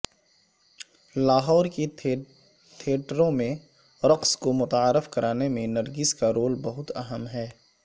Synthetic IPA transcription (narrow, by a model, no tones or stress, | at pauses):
laːɦɔːɾke | t̪ʰeːʈɾõmẽ | ɾɐqskomʊt̪aːɾɪfkɐɾʔaːnemẽnɐɾɡɪskaɾoːlbɐɦʊt̪ɐɦəmɦɛː